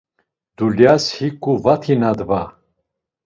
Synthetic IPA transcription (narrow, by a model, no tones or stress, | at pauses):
d̪̥uljashikʰʼuvat̪ʰinad̪va